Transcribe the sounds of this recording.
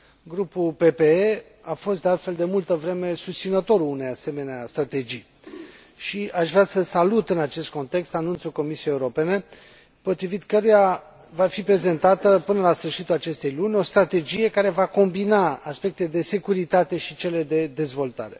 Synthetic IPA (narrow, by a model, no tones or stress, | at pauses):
ɡɾupulpe̞pe̞e | afo̞st̪̚d̪ealt̪fe̞ld̪e̞mult̪əvɾe̞me̞sust̪sinət̪o̞ɾunejase̞meneast̪ɾat̪e̞d͡ʒij | ʃiaʃvɾeasəsalut̪ɨnat͡ʃe̞st̪̚ko̞nt̪e̞kst̪anunt̪suko̞misiejeuɾo̞pe̞ne̞ | po̞t̪ɾivit̪kəɾuja | vafipɾe̞ze̞nt̪at̪əpɨnəlasfɨrʃit̪ulat͡ʃe̞st̪e̞jlunʲo̞st̪ɾat̪e̞d͡ʒije̞kaɾe̞vako̞mbinaaspe̞k̚t̪ed̪e̞se̞kuɾit̪at̪e̞ʃit͡ʃe̞le̞d̪e̞d̪e̞zvo̞lt̪a̰ɾe̞